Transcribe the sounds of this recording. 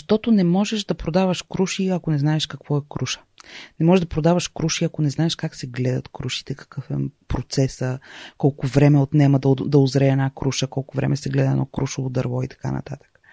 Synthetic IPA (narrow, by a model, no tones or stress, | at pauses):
ʃt̪ɔt̪onɛmɔʒɛʃd̪ɐpɾod̪avəʃkɾuʃiɐkonɛznaɛʃkɐkvɔɛkɾuʃə̥nɛmɔʒɛʒd̪ɐpɾod̪avɐʃkɾuʃiɐkonɛznaɛʃkaksɛɡlɛd̪ɐ̰t̪kɾuʃi̥t̪ɛkɐ̥kɤfɛ̰pɾot̪sɛsəkɔlˠkʊvɾɛmɛot̪nɛməd̪d̪ɐʊzɾɛːnakɾuʃəkɔlˠkʊvɾɛ̰mɛsɛɡlɛd̪əɛ̰nɔ̰kɾuʃʊvod̪ɐɾvɔit̪ɐ̥ka̰nɐ̰t̪at̪ə̥k